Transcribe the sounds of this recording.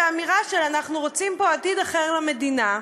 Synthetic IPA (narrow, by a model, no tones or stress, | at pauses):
amiʁaʃelanaχnuʁot͡simpo̞at̪id̪aχeʁlame̞dina